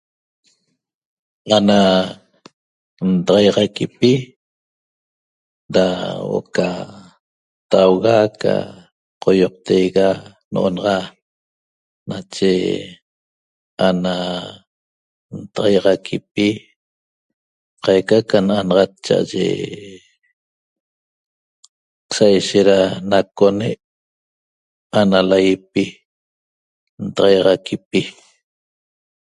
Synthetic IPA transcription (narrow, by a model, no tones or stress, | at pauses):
ana | nt̪ɑʁɑjʁɑkipi | dawo̰ka | t̪awɣaka̰ | qʰojoq̚t̪ejɣa | noʔonɑʁɑ | nat͡ʃe | ana | nt̪ɑʁɑjʁɑkʰipi | qɑjkakananɑʁɑt̪̚t͡ʃa̰ʔa̰ʒḛ | sajʃeʔ̪ɾanakoneʔ | analajipi | nt̪ɑʁɑjʁɑkʰip̚i